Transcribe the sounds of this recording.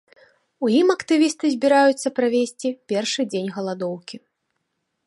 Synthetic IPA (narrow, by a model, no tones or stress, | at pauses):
ujimɐkt̪ɨvʲist̪ɨzʲbʲiɾajut̪sːɐpɾavʲesʲt͡sʲipʲɛrʂɨd͡zʲenʲɣɐlˠad̪ɔwkʲi